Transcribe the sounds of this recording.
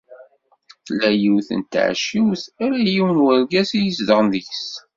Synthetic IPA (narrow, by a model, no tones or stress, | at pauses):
θlːæjiwθə̰nt̪ʕʃiwθæɾæjiwənwæɾɡæsijəsd̪əʁənðjs